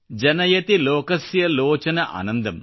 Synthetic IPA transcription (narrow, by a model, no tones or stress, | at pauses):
d͡ʒɐnɐjɐt̪ilɔːkɐsjɐlɔːt͡ʃɐnɐʔɐ̰ːnɐnd̪ɐm